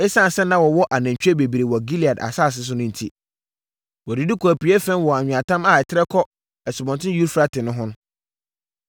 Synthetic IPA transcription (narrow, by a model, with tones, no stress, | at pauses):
ɛ˦sã˦˨sɛ˦nã˦wɔ˨wɔ˦ʔa˨næ̃˨ɲ˨t͡ɕᶣɛ˦be˨bi˨ɾe˨wɔ˨ɡi˦li˨a˨da̰˨saː˦˨s̬ɪ˦s̬ʊ˦nʊ̃˦n̩˨tʰḭ˦ | wɔ˨dɪ˨di˦kʰɔ˨æ˨pi˨ɛ˦fɛ̃˦nwɔ˨a˨ɲᶣʊ̃˨ã˨tʰã˦ma˨ɪ˨tʰɪ˦ɾɛ˦kʰɔ˦ | ɛ˨sɪ˨bɔ̃˨ntʰɪ̃˦ju˦ɾfɾa˦tʰɪ̃˨nʊ̃˦ɦʊ̃˦nʊ̃˦